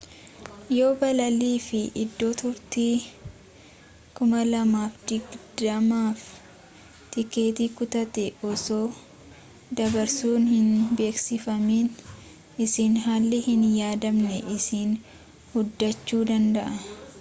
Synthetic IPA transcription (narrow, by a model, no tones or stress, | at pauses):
jo̞ːbɐlɐliːfɪʔɪd̪ːo̞ːt̪ʊɾt̪iː | kʊmɐlɐmaːfd̪̥ɪɡd̪ɐmaːf | t̪ɪke̞ːt̪iːkʊt̪ɐt̪ɛɔso̞ː | d̪ɐbɐɾsuːnhɪnbe̞ːksɪfɐmiːn | ɪsiːnɦaːlːɪhɪnjaːd̪ɐmnɛʔɪsiːn | hʊd̪ːɐt͡ʃːuːd̪ɐnd̪ɐʔɐ